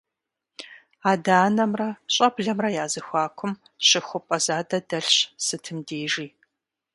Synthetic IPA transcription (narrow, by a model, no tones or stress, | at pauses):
aːdaːnɐmrɐɕʼɐbɮɐmrɐjaːzɨxʷaːkʷʰʊm | ɕɪxʷʊpʼɐzaːdɐdɐɬɕsɨtʰɨmdeːʒiː